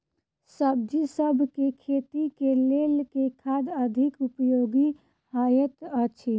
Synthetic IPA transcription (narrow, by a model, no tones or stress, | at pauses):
səb̚d͡ʒisəbʱkekʰet̪ikelelkekʰad̪əd̪ʱikupjoɡi | hajət̪ət͡ʃʰi